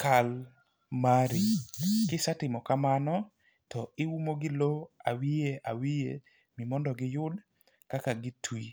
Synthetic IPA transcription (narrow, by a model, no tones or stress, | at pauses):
kal | maɾikɪsatɪmɔkamanɔ | tɔɪwumoɡɪloawieʔawije | mɪmɔndɔɡɪjʊd | kakaɡɪtwi